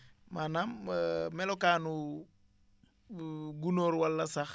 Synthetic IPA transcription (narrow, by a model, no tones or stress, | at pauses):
manammelokaːnu | ɡunoːɾwalːasax